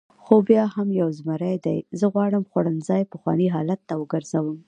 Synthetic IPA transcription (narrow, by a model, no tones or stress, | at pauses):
xobjɑhamjawzmaɾajd̪ajzəɣwɑɽəmxwaɽənzɑjpəxwɑ̰niɦɑlat̪ːawəɡəɾz̥awəm